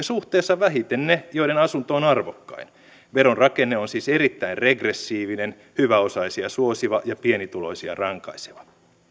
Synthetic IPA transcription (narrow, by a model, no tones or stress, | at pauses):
ɑsuht̪eːsːɑʋæɦit̪ennejoidenɑsunt̪oːnɑrʋokːɑ̰in | ʋeɾonrɑkenːeonsiːserit̪ːæinreɡresːiːʋinen | hyʋæosɑisiɑsuosiʋɑjɑpienit̪ulo̰isiɑ̰rɑŋkɑ̰ise̥ʋɑ